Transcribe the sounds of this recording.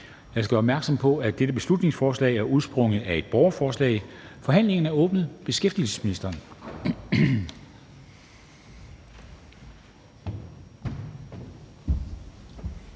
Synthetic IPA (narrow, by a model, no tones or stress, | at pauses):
jɑ̈ɪskɡ̥ɡ̥ɶɐːbmæɐɡ̥sɒ̽m̰pʰɒ̽æd̥eɾ̥əb̥e̝slud̥ne̝ŋsfɒːslɛ̰ːɪæɐuð̞̩ˠsb̥ʁɔ̽ŋəð̩ˠæe̝d̥̚b̥ɒʊɐfɒːslɛ̰ɪfɒ̽ɦæn̰le̝ŋɐn̩æɐɔ̽ːb̥nð̞̩ˠb̥e̝sɡ̥efd̥iəl̩sə̥sminisd̥ɐːn